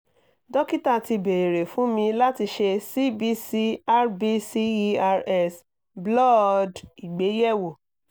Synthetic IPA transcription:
dɔ˦ki˦ta˦˨ti˧be˨e˨ɾe˨fũ˨˦mĩ˧la˦ti˧ʃe˧si˦bi˧˦si˧a˦ɾbi˧si˦˧a˧ɾɛ˦s | blɔ˦˨di˨ɡ͡be˨˦jɛ˦˨wo˨

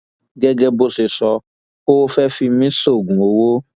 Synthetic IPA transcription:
ɡɛ˦ɡɛ˧bo˧se˨sɔ˧ | o˦wo˦fɛ˦fi˧mĩ˦so˦˨ɡũ˨o˨wo˦

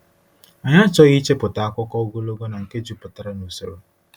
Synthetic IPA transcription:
a˨ɲa˦t͡ʃɔ˦ɣi˦t͡ʃe˦pʊ˨ta˨a˦kʷɔ˦kɔ˦o˦ɡo˦lo˦ɡo˦na˨ŋ̩˨ke˦d͡ʒu˦pʊ˨ta˨ɾa˦no˨so̰˨ɾo˦

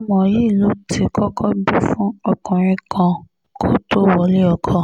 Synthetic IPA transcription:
mɔ̃˨ji˨˦i˦˨lo˨˦tʰi˨˦kʰɔ˦kʰɔ˦bi˦fũ˦ɔ˦kɔ̃˨ɾ̃ĩ˧kʰã˧ | kʰo˦to˦wɔ˨˦le˦ɔ˧kʰɔ˧

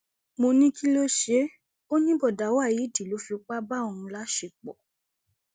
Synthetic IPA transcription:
mo˧nĩ˦ki˦lo˦ʃe˦ | o˦nĩ˦bɔ˦˨da˨˦wa˦˨ji˨˦˨ti˨lo˨˦fi˧k͡pa˦ba˦o˧˨ɾũ˧la˨˦ʃe˧˨k͡pɔ̰˨

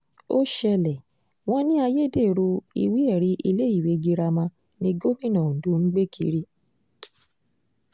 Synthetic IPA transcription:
o˦ʃɛ˧lɛ˨ | w̃ɔ̃˦nĩ˦a˧je˦de˦˨ɾu˧ḭ˧wi˦ɛ˦˨ɾi˨˦ʔi˧le˦i˦˨we˨˦ɡi˧ɾa˧mã˧ | nĩ˧ɡo˦mĩ˦˨nã˨dũ˦ŋ̩˦ɡ͡be˦kʰḭ˨˦ɾi˦

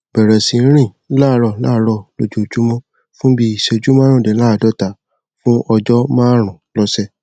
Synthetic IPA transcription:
b̥ɛ˨ɾɛ˨sĩ˧˦ɾ̃ĩ˦˨˦la˦˨˦ɾɔ˦˨˦la̰˦˨˦ɾɔ˦˨lo˧d͡ʒu˨˦˨d͡ʒu˦mɔ̃˦ | fũ˦bi˦i˨ʃe˧˨d͡ʒu˦mã˦ɾ̃ũ˦˨de˨˦la˦˨dɔ˦˨ta˨˦ | fũ˦ʔɔ˧d͡ʒɔ˦mãː˦ɾ̃ũ˨˦lɔ˧˦sɛ˦˨

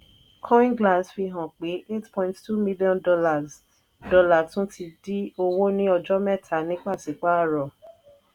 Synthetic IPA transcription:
kʰɔ̃˦ĩ˦nɡla˦˨sfi˧ɦã˨k͡pe˨˦ʔe˦tpɔ̃˧˦j̃ttu˦mi˦li˦ɔ̃˦ndɔ˧la˨z | dɔ˧la˦˨tũ˨˦tʰi˧di˦o˧wo˦nĩ˦ɔ˧d͡ʒɔ˦mɛ˦˨tʰa˨˦nĩ˦k͡pa˦˨si˨k͡pa˦a˦˨ɾɔ˨

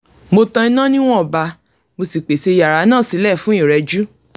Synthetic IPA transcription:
mo˧tɔ̃˧i˧nã˦nĩ˦w̃ɔ̃˦ɔ˨ba˧ | mo˧si˨k͡pe˨se˧ja˨ɾa˨˦nãː˦˨si˨˦lɛ˦˨fũ˦ĩ˦˨ɾɛ˨˧d͡ʒu˦

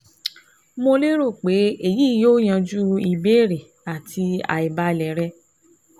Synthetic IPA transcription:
mo˧le˦ɾo˦˨k͡pe˨˦e˦˨ji˦˨joː˦j̃ã˧d͡ʒu˦i˧be˦˨ɾe˨ | a˨tʰi˧a̰˨i˨ba˧˨lɛ˨˦ɾɛ˧

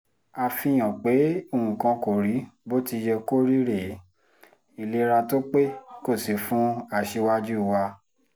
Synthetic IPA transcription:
a˧fĩ˧j̃ɔ̃˨k͡pe˨˦o˦˨ũ˨kã˧ko˨ɾi˨˦bo˦ti˧d͡ʒɛ˧ko˦ɾi˦ɾe˨˦ | i˨le˧ɾa˧to˦k͡pe˦ko˦˨si˨˦fũ˨˦a˧˨ʃe˧wa˦d͡ʒu˦˨wa˧

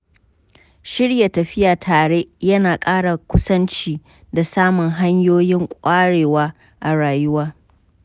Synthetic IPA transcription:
ʃɪ˦ɽja˨tɐ˨ɸɪ˦jaː˨tʰaː˨ɽe˦jɐ˦naː˨kʼaː˦ɽa˨kʷʊ˦sɐ˦nt͡ʃiː˦ | da˨saː˦mʊ˨ŋɦa˦ɲjoː˦jɪ˦ŋkʷʼaː˦ɽeː˨waː˦ | ʔa˨ɽaː˨jʊ˦waː˦

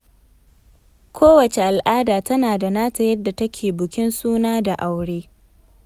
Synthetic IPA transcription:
kʷʰoː˦wɐ˨t͡ʃe˨ʔa˨lʔaː˦daː˨tɐ˦naː˨da˨naː˦tɐ˨jɐ˦dːa˨tɐ˦kʲʰeː˨bʊ˨kʲɪ˦nsuː˦naː˦da˨ʔa˨wɽeː˦

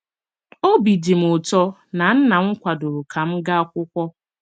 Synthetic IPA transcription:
o˦bi˨di˨m̩˨ʊ˨tɔ˦na˨n̩˦na˨ŋ̩˦kʷa˨dʊ˨ɾu˨kʰa˨m̩˦ɡa˦a˦kʷʊ˦kʷɔ˦

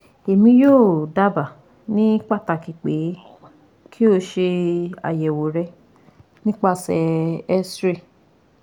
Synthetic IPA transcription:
e˨mĩ˧˦joː˦˨da˦ba˨ | nĩ˦k͡pa˦˨ta˧˨ki˨k͡pe˨˦ | kʰi˦o˧ʃe˧a̰˨jɛ˨wo˨ɾɛ˧˦ | nĩ˦k͡pa˦˨sɛ˧˨ɛ˦sɾe˦˨

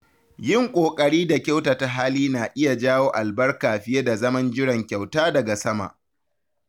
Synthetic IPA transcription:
jɪ˦˨ŋkʷʼoː˨kʼɐ˨ɽiː˦da˨kʲa˦wtaː˨ta˨ɦaː˦liː˦naː˨ʔɪ˦ja˨d͡ʒaː˦woː˦ʔa˨lbɐ˦rkaː˨ɸɪ˦ja˦da˨zɐ˦mɐ˦nd͡ʒɪ˦ɽɐ˨ŋkʲa˨wtaː˦dɐ˨ɡa˨sɐ˦ma̰˨ʔ

